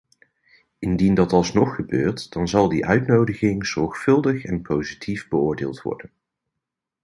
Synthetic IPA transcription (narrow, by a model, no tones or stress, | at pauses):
ɪndindɑtɑlˠsnɔχːəbø̰ːɹtd̥ɑnzɑlˠdiʔœɥtnowdəχɪŋz̥ɔɹχfɵlˠdəχɛnpʰowzitʰivbəʊːɹdɪːlˠtʋɔ̰ɹdən